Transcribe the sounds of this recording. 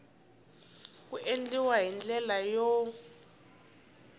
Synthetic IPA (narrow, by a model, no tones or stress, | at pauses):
k̬uʔend͡ɮiwaɦind͡ɮɛlajɔ